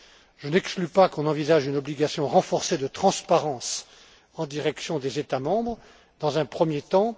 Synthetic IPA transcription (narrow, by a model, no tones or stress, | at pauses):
ʒ̥ənɛksklypakɔ̃nɑ̃vizaʒynɔbliɡasjɔ̃ʁɑ̃fɔʁsed̪ət̪χɑ̃spaʁɑ̃s | ɑ̃d̪iʁɛksjɔ̃d̪ezet̪amɑ̃bʁ | d̪ɑ̃zɛ̃pχəmjet̪ɑ̃